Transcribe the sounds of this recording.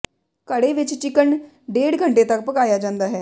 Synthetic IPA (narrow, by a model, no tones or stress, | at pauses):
kəɽeʋɪt͡ʃt͡ʃɪkəɳ | ɖeːɽɡʱəɳʈet̪ɐk̚pəkaːjad͡ʒãːnd̪aːɦɛː